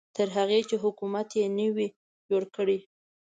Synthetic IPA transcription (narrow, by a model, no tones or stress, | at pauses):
t̪əɾɦaɣet͡ʃeɦʊkumat̪jenəwi | d͡ʒoɽkəɽi